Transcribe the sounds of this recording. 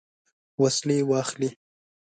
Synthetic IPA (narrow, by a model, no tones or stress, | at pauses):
waslewɑxli